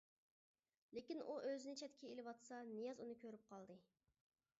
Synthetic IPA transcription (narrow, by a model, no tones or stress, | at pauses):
lɪkʲinʔuʔøzɪnɪt͡ʃʰɛt̪̚kʲʰɛelɪwɑt̪sɑnijɑzunɨkʲʰøɾyp̚qʰɑlˠd̪ɨ